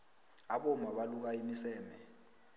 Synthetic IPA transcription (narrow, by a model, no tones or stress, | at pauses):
aɓɔmaɓaluk̬aimisɛːmɛ